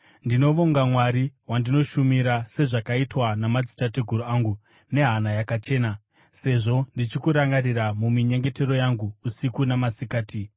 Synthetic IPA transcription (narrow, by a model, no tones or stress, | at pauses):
ndino̞ʋoŋɡamwaɾiɦwandino̞ʃumiɾase̞ʐakaitwanamad͡zi̥tatiɡʱuɾuaːŋɡu | ne̞ɦanajakat͡ʃe̞ːna | se̞ʐo̞ndit͡ʃikuɾaŋɡaɾiramumiɲe̞ŋɡe̞te̞ɾo̞jaŋɡuːsikunamasikaːti